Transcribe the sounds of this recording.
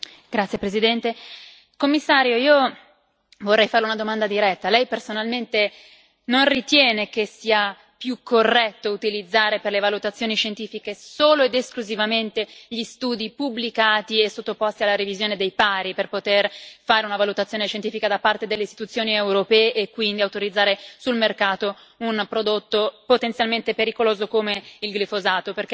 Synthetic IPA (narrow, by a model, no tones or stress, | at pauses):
ɡ̥ɾat̪sjepɾezid̪ɛnt̪e | komːisːaːɾjoiːo | vorːɛjfaɾleunad̪omand̪ad̪iɾɛt̪ːalɛjpersonalment̪e | nonrit̪jɛːnekesiːa | pjukʰːorːɛt̪ːout̪ilid̪zːaːɾeperlevalut̪at̪sːjoːniʃent̪iːfikesoːloed̪eskluzivament̪eʎist̪uːd̪ipublikaːt̪iesːot̪ːopost̪ialːaɾivizjoːned̪ejpaːɾiperpot̪erfaːɾeunavalut̪at̪sːjoːneʃent̪iːfikad̪apːart̪ed̪elːeist̪i̥t̪ut̪sːjoːniewɾopɛːeʔekːwind̪iawt̪oɾid̪zːaːɾesulmerkaːt̪o | unpɾod̪ot̪ːopot̪ensjalment̪epeɾikoloːzokomeilɡlifozaːt̪operke